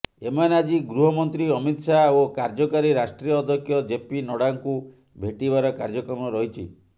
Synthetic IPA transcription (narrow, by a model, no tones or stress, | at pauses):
emanad͡ʒiɡɾuɦɔmɔnt̪ɾiɔmit̪ʃaokaɾd͡ʒɔkaɾiɾasʈɾiɔːd̪ʱjɔkʰjɔd͡ʒepinɔɽaŋku | bʱeʈibaɾɔkaɾd͡ʒɔkɔmɔɾɔɦit͡ʃʰḭ